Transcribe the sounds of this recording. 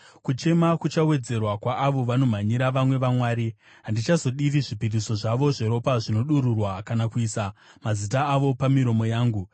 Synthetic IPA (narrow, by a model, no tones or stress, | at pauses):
kut͡ʃe̞makut͡ʃawe̞d͡ze̞rwakwaʔːʋo̞ʋano̞m̤aɲiɾaʋamwe̞ʋamwaːɾi | ɦandit͡ʃazo̞ɗiʋiʐipiriso̞ʐaʋo̞ʐeɾo̞paʐino̞ɗuɾurwakanakuisa | mazitaːʋo̞pamiɾo̞mo̞jaːŋɡu